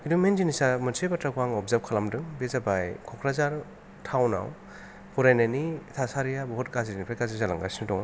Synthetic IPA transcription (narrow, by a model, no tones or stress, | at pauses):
idumend͡ʒinisamɯnsebatɾakuaŋɔpzap̚kʰalamdɯŋbezabajkʰɔkʰɾazaɾ | tʰawna̰w | pʰɔɾajnenitʰasaɾijabɔɦɔt̚kaziɾinipʰakazizala̰ŋɡa̰sinɯdɔŋa